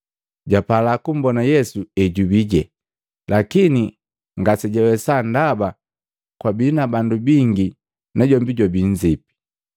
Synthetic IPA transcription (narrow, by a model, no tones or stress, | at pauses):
ɟapalakum̩bɔnajɛsuɛɟubiɟɛ | lakini | ŋɡasɛɟɛwɛsandaba | kwabinabandubiŋɡi | naɟɔmbiɟwabiɲd͡ʒipi̥